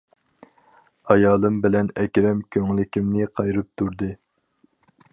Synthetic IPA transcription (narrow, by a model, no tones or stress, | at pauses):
ɑjɑːlˠɨmbɪlɛnɛkʲɾɛmkʲʰøŋlɪkʲimnɪqʰɑjɾɨp̚t̪ʰuɾd̪ɨ